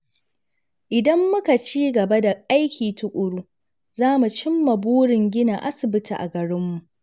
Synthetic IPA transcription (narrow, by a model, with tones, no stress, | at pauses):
ʔɪ˨dɐ˦mːʊ˦ka˨t͡ʃiː˦ɡɐ˨ba˦da˨ʔa˦jkʲiː˨tʊ˦kʷʼʊ˨ɽuː˦ | zaː˦mu˨t͡ʃɪ˦mːɐ˨buː˦ɽɪ˨ŋɡʲɪ˦na˨ʔa˦sɪ˨bɪ˦tʰḭ˨ʔa̰˨ɡɐ˨ɽɪ˦mːu˨ʔ